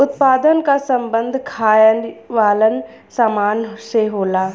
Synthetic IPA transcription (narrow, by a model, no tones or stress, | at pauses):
ʊt̪paːd̪ənkasə̃mbə̃nd̪ʱkʰaːjənʋaːlən | samaːnɦseɦoːlaː